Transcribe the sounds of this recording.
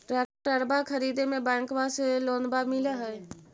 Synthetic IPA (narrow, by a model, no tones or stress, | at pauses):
ɾɛʈəɾbakʰəɾid̪emebɛ̃ŋkbaselonbamiləɦə